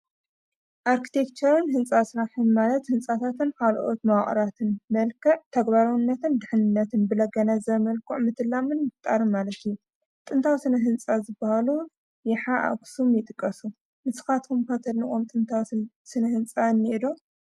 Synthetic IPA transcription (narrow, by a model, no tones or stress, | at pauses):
ʔaɾkʰi̥t̪ʰe̞kt͡ʃʰɐɾɨnhɨnt͡sʼasɾaħɨnmalɐt̪hɨnt͡sʼat̪ʰat̪ɨnkʰalʔo̞t̪mawχʼɾat̪ʰɨnmɐlkʰɐʕt̪ʰɐɡbaɾɐwnːɐt̪ɨnd̪ɨħnɨnːɐt̪ʰɨnbɨlɐɡɐnɐzɐmɐlkʰuʕmɨt̪ʰɨlːamɨnmɨft̪ʼaɾɨnmalɐt̪ijːu | t̪ʼɨnt̪ʰawsɨnɐɦɨnt͡sʼazɨbːahalu | jɪħaʔa̰ksumjɪt̪ʼɨkʼːɐsu | mɨsɨ̥xat̪kʰumkɐt̪ʰɐlnɨʔʼomt̪ʼɨnt̪ʰaw | sɨnɐhɨnt͡sʼanːid̪o